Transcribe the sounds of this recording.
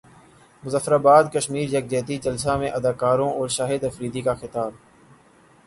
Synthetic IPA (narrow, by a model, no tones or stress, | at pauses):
mʊzəfɾaːbaːd̪kəʃmiːɾjɐk̚d͡ʒɛːt̪id͡ʒəls̬aːmẽʔɐd̪aːkaːɾõːʔɔːɾʃaːɦɪd̪ɐfɾiːd̪iːkaxɪt̪aːb̚